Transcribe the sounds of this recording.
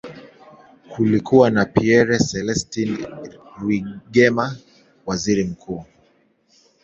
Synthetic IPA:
kʰulikuwanapiɛɾɛsɛlɛstin | wiɠɛma | waziɾim̩kʰuː

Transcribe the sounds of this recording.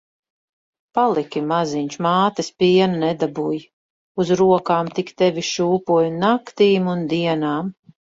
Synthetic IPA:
palˠikʲimaziɲʲt͡ʃmaːt̪ɨspiɛnanɛd̪abuj | uzɾuɔkaːmt̪ikt̪ɛvʲiʃuːpuɔjnakt̪iːmund̪iɛnaːm

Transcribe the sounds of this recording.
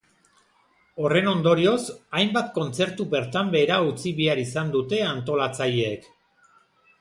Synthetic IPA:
o̞re̞no̞nd̪o̞ɾio̞sajmbat̪ko̞nt͡se̞ɾt̪ube̞ɾt̪ambe̞ːɾaut͡siβiaɾisand̪ut̪e̞ant̪o̞lat͡saʎeek

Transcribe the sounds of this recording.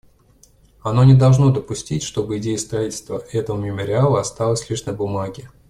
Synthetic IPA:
ɐno̞nʲɪd̪ɐlˠʐno̞d̪əpʊsʲtʲitʲʂt̪o̞bɨɪdʲejəst̪ɾɐitʲɪlʲst̪vəʔɛt̪əvəmʲɪməɾʲɪalˠəɐst̪alˠəsʲlʲiʂnəbʊmaɡʲɪ

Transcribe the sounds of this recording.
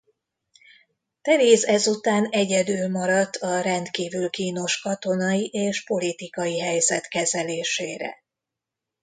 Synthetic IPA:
t̪ɛveːzɛzut̪aːnɛɟɛd̪yːlmɒɾɒt̪ʰːɒɾɛnt̪kiːvylkiːno̞ʃkɒt̪o̞nɒjiʔeːʃpo̞lit̪ikɒjiɦɛjzɛt̪kɛzɛleːʃeːɾɛ̰

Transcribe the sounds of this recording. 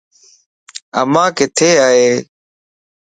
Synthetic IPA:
ə̰mãːkɪt̪ʰeːaːɦeː

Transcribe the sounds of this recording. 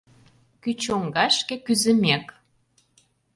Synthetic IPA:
kyt͡ɕoŋɡɑʃkĕkyzə̆mek

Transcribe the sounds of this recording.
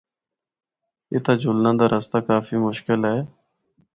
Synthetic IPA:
ɪ̰ːt̪aːd͡ʒʊlnãːd̪aːɾʔəst̪aːkaːfiːmʊʃkɪlɦɛː

